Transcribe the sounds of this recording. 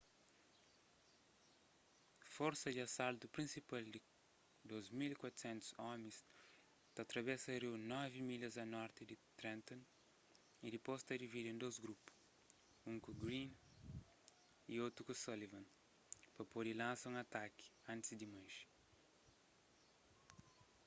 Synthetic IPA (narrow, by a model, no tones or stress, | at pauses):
fɔɾsɐd̪iɐsalt̪upɾĩnsipald̪i | d̪ozmilikwat̪u̥sẽnt̪u̥zɔmẽs | t̪at̪ɾɐβɛsɐɾiwnɔvimiʎɐzɐnɔɾt̪id̪it̪ɾɛ̃nt̪ɔ̃n | id̪ipost̪ɐd̪ivid̪ẽnd̪ozɡɾupu̥ | ũŋkuɡɾĩn | iot̪ɾukusolivɐ̃n | pɐpod̪ilãnsɐũŋɐt̪aki̥ɐ̃nt̪ɪzd̪imajʃ